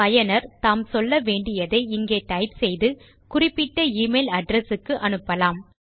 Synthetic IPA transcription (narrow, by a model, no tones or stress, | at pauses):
ɐjɐnɐɾt̪aːmsɔlːɐʋeːɳɖɪjɐðɐɪɪŋɡeːʈɐɪpsɛjðɯ | kʊrɪpːɪʈːɐiːmɐɪlɐɖɾɐsɯkːɯʔɐnɯpːɐlaːm